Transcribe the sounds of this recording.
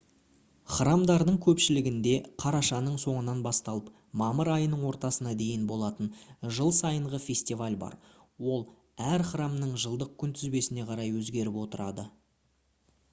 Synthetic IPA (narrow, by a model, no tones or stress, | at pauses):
χrɑmd̪ɑɾd̪əɴkʲʰɵpʃɪlɪɡʲɪnd̪e̞qʰɑɾɑʃɑnəɴso̞ɴənɑnbɑst̪ɑlˠəp | mɑməɾɑjənəɴwo̞ɾt̪ɑsənɑd̪e̞jɪnbo̞lˠɑt̪ənʒəlˠsɑjəɴʁəfʲe̞sʲt̪ivalʲbɑ̰ɾ | wo̞lˠ | æɾχɾɑmnəɴʒəlˠd̪əq̚kʲʰʏnt̪ʰɪzbe̞sɪne̞qʰɑɾɑjwɵzɡʲe̞ɾɪpwo̞t̪əɾɑ̰d̪ə